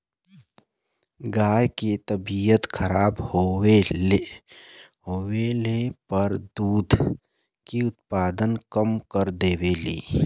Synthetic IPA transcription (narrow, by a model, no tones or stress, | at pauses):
ɡaːjket̪əbijət̪kʰəɾaːbhoe | ɦoːwelepəɾd̪uːd̪ʱ | kiʊt̪paːd̪ənkəmkəɾd̪eːwelḭː